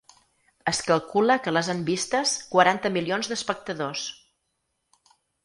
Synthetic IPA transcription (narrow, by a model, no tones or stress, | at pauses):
əskəlˠkuləkələzambist̪əskwəɾant̪əmilionzd̪əspək̚t̪əðos